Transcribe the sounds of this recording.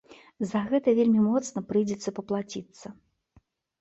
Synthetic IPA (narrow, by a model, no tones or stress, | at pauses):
zɐɣɛt̪ɐvʲelʲmʲimɔt̪snɐpɾɨjd͡zʲɛt̪sːɐpɐplˠat͡sʲit̪sːɐ